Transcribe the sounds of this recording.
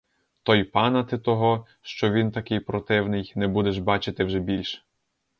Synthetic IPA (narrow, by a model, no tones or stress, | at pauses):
t̪ɔjpɑnɐt̪ɪt̪ɔɦɔ | ʃt͡ʃɔʋʲint̪ɐkɪjpɾɔt̪ɪwnɪjnɛbud̪ɛʒbɑt͡ʃɪt̪ɪwʒɛbʲilʲʃ